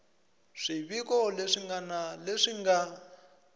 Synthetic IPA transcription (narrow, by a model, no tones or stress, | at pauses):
ʂiβikɔleʂiŋɡanaleʂiŋɡa